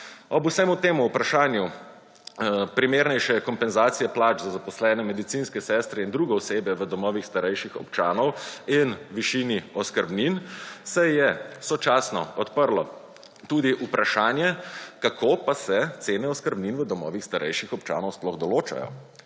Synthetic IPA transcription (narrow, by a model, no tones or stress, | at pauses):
ɔbusɛmut̪eːmuːpɾaʃaːnju | pɾimeɾnɛjʃɛkɔmpɛnzaːt̪sijɛplaːd͡ʒzazapɔslɛːnɛmɛd̪it̪sinskɛsɛst̪ɾɛind̪ɾuːɡɛɔsebjɛʋəd̪ɔmɔːʋixst̪aɾɛjʃixɔ̰pt͡ʃaːnɔwinʋiʃiːniɔskəɾbninsɛjɛsɔt͡ʃaːsnɔɔt̪pəɾlɔ | t̪ud̪iʔupɾʔaʃaːnjɛkakʰoːpasɛt̪seːnɛɔskəɾbninʋəd̪ɔmɔ̰ːʋixst̪aɾʔɛ̰jʃixɔpt͡ʃa̰ːnɔwsplɔɣd̪ɔloːt͡ʃa̰jɔ̰